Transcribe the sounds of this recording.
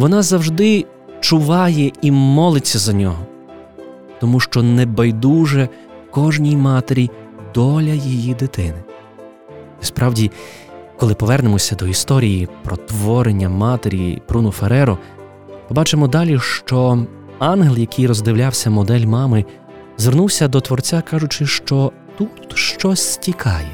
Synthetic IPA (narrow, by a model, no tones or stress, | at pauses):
ʋɔnɑzɐwʒd̪ɪ | t͡ʃʊʋɑjɛimɔlˠɪt͡sʲːɐzɐnʲɔɦɔ | t̪ɔmuʃt͡ʃɔnɛbɐjd̪uʒɛ | kɔʒnʲijmɑt̪eɾʲid̪ɔlʲɐjijid̪ɪt̪ɪnɪ | ispɾɑwdʲi | kɔlˠɪpɔʋɛrnemɔsʲɐd̪ɔist̪ɔɾʲijipɾɔt̪ʋɔɾenʲːɐmɑt̪eɾʲib̥ɾunɔfeɾɛɾɔ | mɪbɑt͡ʃɪmɔd̪ɑlʲiʃt͡ʃɔ | ɑnɦelˠjɐkijɾɔzd̪ɪwlʲawsʲɐmɔd̪ɛlʲmɑmɪ | zʋernuwsʲɐd̪ɔt̪ʋɔrt͡sʲakɑʒʊt͡ʃɪʃt͡ʃɔ | t̪ut̪ʃt͡ʃɔsʲtʲikʰɑjɛ